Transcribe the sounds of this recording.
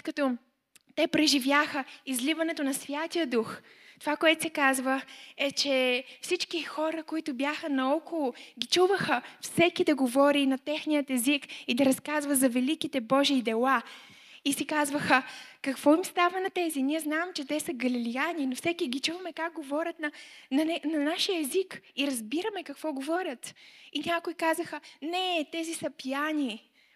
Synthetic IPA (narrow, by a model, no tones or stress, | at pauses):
t̪kɐt̪ɔ | t̪ɛpɾɛʒivjaxəizlivɐnɛt̪onɐsvʲjat̪ijəd̪ux | t̪ovakoɛt̪ʊ̥sɛkazvəɛt͡ʃɛfsit͡ʃkixɔɾəkoit̪ʊbjaxənɐɔkolˠʊɡʲit͡ʃuvəxəfsɛkid̪ɐɡovɔɾinɐt̪ɛxnijət̪ɛzikid̪ɐɾɐskazvɐzɐvɛlikit̪ɛbɔʒiːd̪ɛlˠa | isikazvəxəkɐkvɔimst̪avɐnɐt̪ɛziniɛznaɛmt͡ʃɛt̪ɛsɐɡɐlilianinofsɛkiɡʲit͡ʃuvɐmɛkak̚ɡovɔɾʲət̪nɐnɐnɛnɐnaʃijəɛzikiɾɐzbiɾəmɛkɐkv̥ɔɡovɔɾʲət̪inʲakʊikazəxənɛt̪ɛzisɐpijani